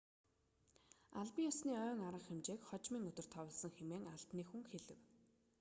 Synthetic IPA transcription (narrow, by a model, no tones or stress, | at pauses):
aɮpĭŋjɔsniːœːŋaɾə̆χxemt͡ɕeːkχɔt͡ɕmiːŋɵt̪ɵ̆r̥t̪ʰɔwə̆ɮsə̆ŋxemeːŋaɮpniːxuŋxeɮɘ̆w